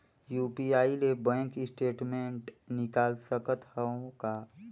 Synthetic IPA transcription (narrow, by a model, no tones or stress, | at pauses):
juːpiaːilebɛ̃ːŋkɪsʈeːʈmẽːɳʈnɪkaːlsəkət̪həõka